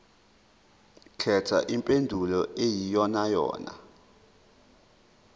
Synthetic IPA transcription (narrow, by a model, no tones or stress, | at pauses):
kʰɛtʰa̰ʔimpʼendʱulɔejijɔnajɔ̰ːna̰